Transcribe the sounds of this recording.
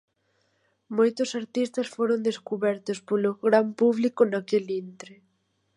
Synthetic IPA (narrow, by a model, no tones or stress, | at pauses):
mojt̪ʊsaɾt̪ist̪asfoɾond̪eskuβɛɾt̪ospolʊɣɾampuβlikʊnakelint̪ɾe